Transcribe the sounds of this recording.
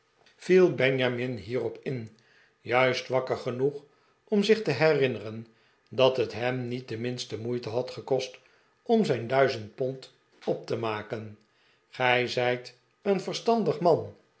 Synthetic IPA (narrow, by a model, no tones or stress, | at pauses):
v̥ilˠbɛɲjamɪnɦiːrɔpɪn | jœɥstʋɑkəɹχənuχ | ɔmzɪχtəɦɛrɪnərən | dɑtɦətɦɛmnit̚dəmɪnstəmujtəɦɑtχəkɔst | ɔmzɛjndœɥzənt̚pɔnt | ɔp̚təmaːkən | χɛjzɛjt | ənvəɹstɑndəχmɑn